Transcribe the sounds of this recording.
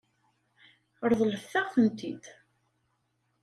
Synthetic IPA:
əɾˤðˤələfθæʁθənt̪id̪

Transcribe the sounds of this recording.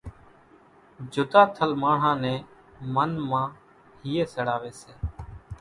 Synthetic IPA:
d͡ʒʊd̪aːt̪ʰəlmaːɳ̤ãːnɛ̃ː | mənmãː | hiːeːsəɽaːʋeːseː

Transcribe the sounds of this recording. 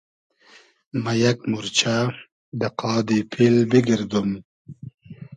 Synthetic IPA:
majakmuɾt͡ɕʰa | d̪ɐqɑːd̪ipʰilbiɡiɾd̪um

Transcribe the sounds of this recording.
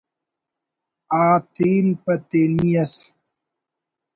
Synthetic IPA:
aːt̪iːnpɐt̪enijɐs

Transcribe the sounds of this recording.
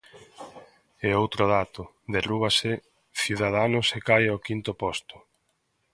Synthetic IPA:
eowt̪ɾʊðat̪ʊ | ðeruβasɪ | θjuðað̞anʊsekajaokint̪ʊpɔst̪ʊ̥

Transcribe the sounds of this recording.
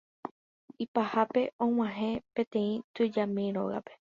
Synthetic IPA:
ipahape̞õ̞w̃ãɦẽ̞pẽ̞t̪ẽ̞ĩt̪ɨd͡ʒamĩɾo̞̰ɣa̰pe̞̥

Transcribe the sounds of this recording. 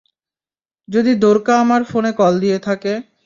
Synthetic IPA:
d͡ʑod̪id̪oɾkaamaɾfonekɔld̪ijet̪ʰake

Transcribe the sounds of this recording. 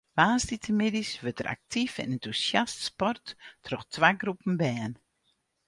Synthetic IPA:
ʋaːstitʰəmɪdisʋøtəɾʔa̰k̚tʰifɛ̰nɛntusjastspɔrtːʰrɔxtʰʋaɡrupn̩bɛːn

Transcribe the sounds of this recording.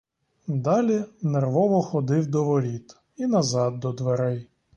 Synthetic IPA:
d̪ɑlʲinerʋɔʋɔxɔd̪ɪwd̪ɔʋɔɾʲit̪ | inɐzɑd̪̚ːɔd̪ʋeɾɛj

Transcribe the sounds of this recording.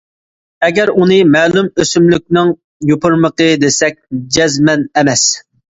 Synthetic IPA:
ɛɡʲɛɾunɨmɛːlumøsymlyk̚ʲnɪŋ | jopʰʊɾməqəd̪esɛk̚ʲd͡ʒɛzmɛnɛmɛs

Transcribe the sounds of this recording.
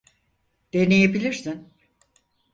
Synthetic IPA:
d̪̥enejebilʲiɾsin

